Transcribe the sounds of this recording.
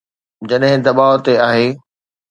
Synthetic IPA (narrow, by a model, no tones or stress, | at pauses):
d͡ʑɐɗɦɪ̃d̪ɐɓaːot̪eaːɦeː